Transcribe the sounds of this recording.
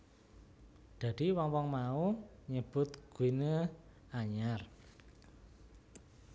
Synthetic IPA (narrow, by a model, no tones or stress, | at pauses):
d̪̥a̤d̪̥iwɔŋwɔŋmauɲəb̥ʊ̤t̪̚ɡ̥uinə | aɲar